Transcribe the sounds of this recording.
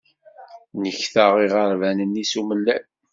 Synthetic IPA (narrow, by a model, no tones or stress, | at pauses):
nəçθəʁiʁəɾˤvænənːisuməlːæn